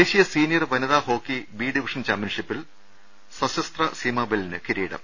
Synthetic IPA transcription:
eːɕijɐsiːnijɐrʋɐnɐðaːho̞ːkːibiːɖiʋiʂɐnt͡ɕaːmpjɐnʂipːil | sɐsɐst̪rɐsimaːbelnɨkiɾiːɽɐ̰m

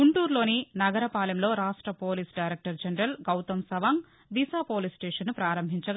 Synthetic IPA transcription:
ɡuɳʈuːɾlo̞ːninɐɡɐɾɐpaːlɐmlo̞ːɾaːʂʈɾɐpoːlisɖɐjɾek̚ʈɐɾd͡ʒɐnɐɾɐlɡɐwt̪ɐmsɐʋaːŋ | d̪isaːpoːliːsʈeːʂɐnːupɾaːɾɐmbʱiɲt͡ʃɐɡ

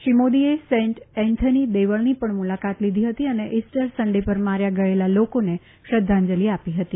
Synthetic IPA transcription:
ʃimod̪iesẽɳʈɛ̃nt̪ʰənid̪eʋəɭnipəɳmulakat̪lid̪ʱiɦət̪iəneʔisʈəɾsəɳɖepəɾmaɾjaɡəelalokone | ʃɾəd̪ʱːãɲd͡ʒəliapiɦət̪i

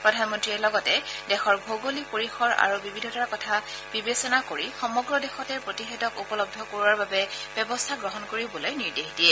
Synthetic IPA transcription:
pɹɔdʱanmɔntɹiɛɹlɔɡɔtɛdɛxɔɹbʱoɡolipoɹixɔɹa̰ɹubibʱidʱɔtaɹkɔtʰa | b̥ibesɔnakoɹixɔmɔɡɹɔdɛxɔtɛɹpɹotixɛtɔkupɔlɔb̚dʱɔkoɹwaɹbabɛb̥ɛbɔstʰaɡɹɔɦɔnkoɹibɔlojniɹdexdijɛ

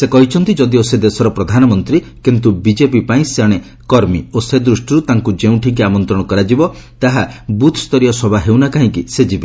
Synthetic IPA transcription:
sekɔɦit͡ʃʰɔnt̪id͡ʒɔd̪iosed̪esɔɾɔpɾɔd̪ʱanɔmɔnt̪ɾikint̪ubid͡ʒep̬ipaĩseaɽ̃e | kɔɾmiosed̪ɾusʈɔɾut̪aŋkud͡ʒeũʈʰikiamɔnt̪ɾɔɽ̃ɔkɔɾad͡ʒibɔt̪aɦabut̪ʰst̪ɔɾijɔsɔbʱaɦewnakaɦĩkised͡ʒibe

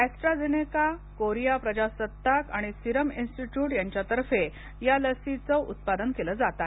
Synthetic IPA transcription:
eksʈɾad͡zenekakoɾijapɾəd͡ʑasət̪ːakaɽ̃isiɾəminsʈiʈjuːʈjaɲt͡ɕjat̪əɾfe | jaləsit͡səʔut̪̚pad̪ənkeləːd͡zat̪a

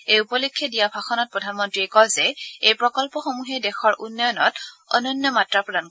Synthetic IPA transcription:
ejupɔlikʰːɔdijabʱaxɔnɔt̚pɹɔdʱanmɔntɹiɛkɔlzɛejpɹɔkɔlpɔxomuɦɛdɛxɔɹʔunːɔjɔnɔ̰tɔ̰nɔnjɔmatɹapɹɔdan

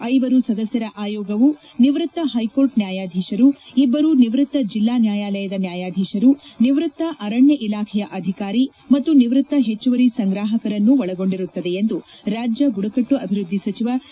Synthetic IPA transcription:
ɐjʋɐɾusɐd̪ɐsjɐɾɐʔaːjɔːɡɐʋu | niʋɾɨt̪ːɐɦɐjko̞ːɾʈnjaːjaːd̪ʱiːʃɐɾuibːɐɾuniʋɾɨt̪ːɐd͡ʒilːaːnjaːjaːlɐjɐd̪ɐnjaːjaːd̪ʱiːʃɐɾuniʋɾut̪ːɐʔɐɾɐɳjɐʔilaːkʰɛjɐʔɐd̪ʱikaːɾi | mɐt̪ːuniʋɾut̪ːɐɦe̞t͡ʃːuʋɐɾisɐŋɡɾaːɦɐkɐɾɐnːuʋɐɭɐɡo̞ɳɖiɾut̪ːɐd̪eend̪uɾaːd͡ʒjɐɡuɽɐkɐʈːuɐbʱiɾud̪ʱːisɐt͡ʃiʋa

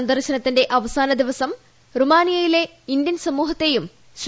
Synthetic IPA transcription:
ɐnd̪ɐrɕɐnɐt̪ːinde̞ʔɐʋɐsaːnɐd̪iʋɐsɐm | rumaːnijɐjile̞ | ind̪jɐnsɐmuːɦɐt̪ːe̞jum | ɕ

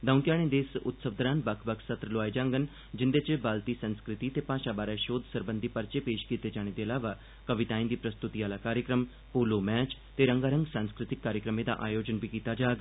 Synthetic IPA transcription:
d̪ɐũnt̪jaːɽ̃ẽd̪eːsʊt̪səʋd̪ɾãːnbɐkʰbɐkʰsɐt̪ɾəloaːid͡ʒãːŋɡən | d͡ʒɪnd̪et͡ʃəbaːlt̪isə̃nskɾɪt̪it̪epaːʃabaːɾaʃoːd̪ʱsəɾbənd̪ʱipɐɾt͡ʃepeːʃkiːt̪ed͡ʒaːɽ̃ẽd̪eɐlaːʋa | kɐʋɪt̪ãːĩnd̪iːpɾɐst̪ut̪iaːlakaːɾjəkɾəm | poːlomɛːt͡ʃt̪eɾɐ̃ŋɡaːɾə̃ŋɡsãːnskɾɪt̪ɪkːaːɾjəkɾəmẽd̪a̰ʔaːjoːd͡ʒənbʱikiːt̪ad͡ʒaːɡ

